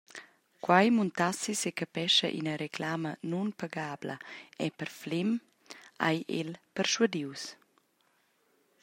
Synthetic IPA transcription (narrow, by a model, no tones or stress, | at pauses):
kwajmunt̪asisekapɛʃə̰ʔḭnəɾekʰlaːmənunpaɡaːblə̰ɛpəɾflem | ajʔḛlpəɾʃwad̪iws